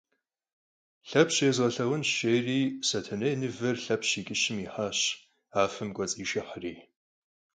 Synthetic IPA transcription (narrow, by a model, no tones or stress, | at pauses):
ɬɐpɕezʁɐɬɐʁʷʊnʃejriːsɐtʰɐnɐjnɨvɐrɬɐpʰɕiːkʲʼɪɕɪmiːħaːɕ | aːfɨmkʷʼɔt͡sʼiːʃɪħriː